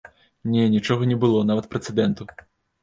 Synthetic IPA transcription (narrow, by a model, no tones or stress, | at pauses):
nʲɛnʲit͡ʂɔɣɐnʲɛbɨlˠɔnavɐt̪̚pɾɛt̪sɨd̪ɛnt̪u